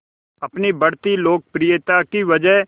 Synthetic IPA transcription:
ɐpnibɐɽt̪iloːk̚pɾijət̪akiʋɐd͡ʒəɦ

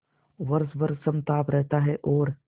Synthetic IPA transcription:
ʋɐɾsbɐɾsɐmt̪aːpɾɛɦt̪aɦɛʔɔːɾ

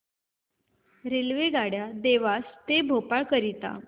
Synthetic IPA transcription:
ɾelʋeɡaɽjad̪eʋast̪ebʱopaɭkəɾit̪a̰

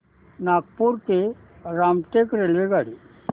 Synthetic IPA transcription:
naːk̚puɾke | ɾaːmʈekɾelʋeɡaːɽi

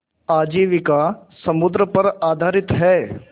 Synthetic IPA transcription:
aːd͡ʒiːʋɪkasɐmʊd̪ɾəpɐɾaːd̪ʱaːɾɪt̪ɦɛː

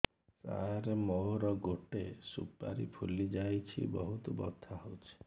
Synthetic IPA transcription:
sa̰ɾemɔɾɔɡoʈesṵpa̰ɾḭpʰulid͡ʒajt͡ʃʰḭbɔɦut̪ubɔ̰t̪ʰːaɦowt͡ʃʰi̥

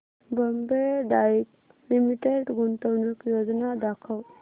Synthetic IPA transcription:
bəmbed̪ajik | limiʈeɖɡunt̪əwnəkjod͡znad̪akʰəw

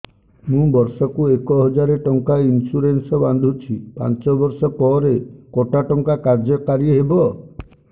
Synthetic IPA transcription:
mũbɔɾsɔkuekɔɦɔd͡ʒaɾeʈɔŋkainsuɾensɔband̪ʱut͡ʃʰipa̰nt͡ʃɔbɔɾsɔpɔɾekɔʈaʈɔŋkakaɾd͡ʒɔkaɾieɦebɔ

